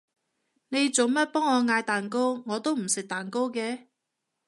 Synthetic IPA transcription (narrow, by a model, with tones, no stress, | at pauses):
ne˨˧jt͡so˨˩wmɐ˥t̚pɔː˥ŋːɔː˨˧ŋaː˧jt̪aː˨nk̬o˥wŋɔː˨˧t̪o˥wm̩˨˩sɪ˨k̚t̪aː˨˩nko˥wkɛː˧